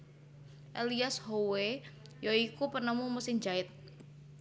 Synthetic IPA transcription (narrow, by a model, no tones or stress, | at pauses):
ʔeliashowe | joikupənəmumusɪŋd͡ʒaɪt̪̚